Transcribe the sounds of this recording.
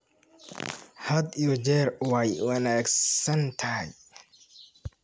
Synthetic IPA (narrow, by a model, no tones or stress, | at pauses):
hɐd̪ijɔd͡ʒɛːrwajwɐnaːɡsɐnt̪ʰɐhj